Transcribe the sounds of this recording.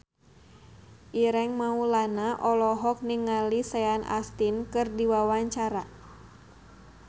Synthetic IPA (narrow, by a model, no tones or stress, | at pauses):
ʔiɾɛŋmaulanaʔɔlɔɦɔk̚niŋalisɛanʔa̰st̪inkɨrdiwawaɲt͡ʃaɾa